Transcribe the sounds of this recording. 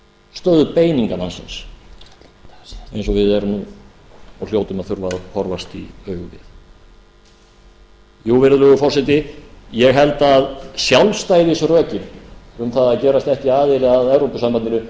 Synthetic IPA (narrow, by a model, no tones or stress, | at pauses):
st̪œːðʏpeːjniŋkanansɪ̰ns | ejnsɔvɪðɛɾʏm | ɔljoːwt̪ʏmaðθʏɾvaðhɔɾvast̪iœːɥɣʏvɪ̰θ | juːvɪɾðʏlœɣʏfɔr̥sɛt̪ɪjɛɣɦɛlt̪aːðsjawlst̪ajiðisrœːcɪnʏmθaðaðcɛːɾast̪ɛhciaːðɪlɪaðɛwɾopʏsampanɪnʏ